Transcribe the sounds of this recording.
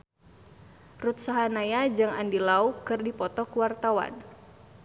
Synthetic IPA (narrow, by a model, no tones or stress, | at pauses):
rut̪̚saɦanajad͡ʒɨŋa̰ndilaukɨrdipɔt̪ɔkuwart̪awa̰n